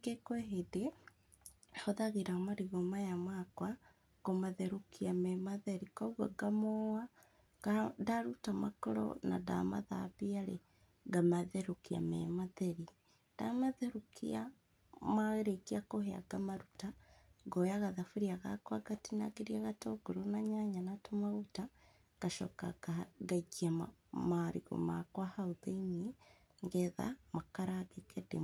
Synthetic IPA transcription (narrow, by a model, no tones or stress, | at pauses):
ɡekweɦede | hoðaɣeɾamaɾiɣomajamakwa | komaðeɾukiamɛmaðeɾikoɣwaɡamowa | ɡadaɾutamakoɾɔ̰na̰da̰ma̰ða̰piaɾḛ | ɡamaðeɾukia̰mɛ̰maðeɾi | d̥a̰maðeɾukʰḭa | maɣeɾekiakohea̰ɡamaɾutaɡojaɣaðafuɾiaɣa̰kwaɡatinaɡeɾiaɣatoɡuɾunaɲaɲanatomaɣuta | ɡ̥aʃo̰kaaɡaɡiam | maɾiɣo̰ma̰kwahauðeini | ŋɡeða̰makaɾaɡekedḛ